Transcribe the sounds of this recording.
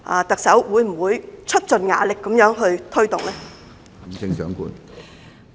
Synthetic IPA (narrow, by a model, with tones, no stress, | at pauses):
ʔa̰ː˨˧t̪ɐ˨k̚sɐ˨˥wwuː˨˧jm̩˨˩wuː˨˧jt͡sʰɵ˥t̚t͡sɵ˧nŋa̰ː˨˧˥lɪ˨kːɐ˨˥mjœː˨˥ŋɦɵ˧ɥt̪ʰɵ˥ɥt̪ʊ˨ŋlɛː˥˨˥ | t͡sɪ˥ŋsœ̰ː˨˥ŋkṵː˧n